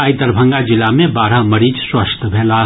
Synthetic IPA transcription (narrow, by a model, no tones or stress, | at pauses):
ajd̪əɾbʱə̃ŋɡad͡ʒɪlamẽbaːɾaməɾiːd͡ʒswəst̪ʰbʱeːla